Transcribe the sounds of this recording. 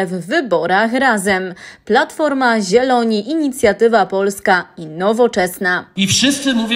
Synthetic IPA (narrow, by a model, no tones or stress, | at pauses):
vːɘbɔɾaxɾazɛmplat̪fɔɾmaʑɛlɔɲiʔiɲit̪sʲjat̪ɘvapɔlskainɔvɔt͡ʂɛsnaifʂɘst̪sɘmuvʲ